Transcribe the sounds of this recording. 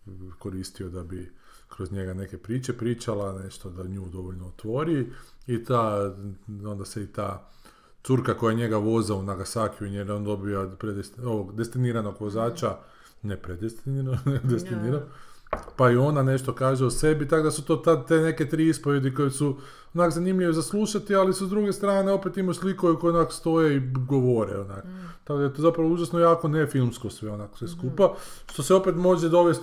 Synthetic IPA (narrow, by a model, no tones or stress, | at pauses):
ko̞ɾiːst̪io̞d̪abi | kɾo̞zɲe̞ɡane̞ke̞pɾiːt͡ʃepɾiːt͡ʃalane̞ʃt̪od̪aɲuːd̪o̞ʋoʎnoːt̪ʋo̞ɾiit̪a | o̞nd̪aseit̪aː | t̪suɾkako̞jaɲe̞ɡaʋo̞zaunaɡasaːkjuɲjeɾeond̪o̞biopɾed̪est̪oʋoɡd̪est̪iniɾanoɡʋo̞zaːt͡ʃa | nepɾed̪est̪nid̪est̪iniɾan | paio̞nane̞ʃt̪okaːʒeuse̞bit̪akod̪asut̪o̞t̪ad̪t̪ene̞ke̞t̪ɾiːispoʋjed̪iko̞jesu | onakzanimʎʲiʋezaslˠuʃat̪ialisuzd̪ɾuɡe̞st̪ɾaːneo̞pe̞t̪imoslikoekojeonakst̪o̞jeiɡoʋoɾḛona̰k | t̪akod̪ajet̪ozapɾaʋouʒasnojaːko̞nefilˠmskosʋeonaːksʋeskupaʃt̪o̞seo̞pet̪mo̞ʒed̪o̞ʋest̪